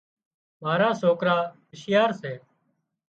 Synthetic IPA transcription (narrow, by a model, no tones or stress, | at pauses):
maːɾaːsoːkɾaːbɪʃɪjaːɾseː